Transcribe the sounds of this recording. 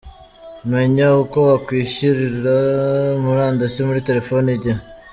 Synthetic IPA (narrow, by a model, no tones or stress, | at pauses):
me̞ɲaukoβakwiːʃiɾiɾamuɾaːndasimuɾite̞ɾe̞foniɟa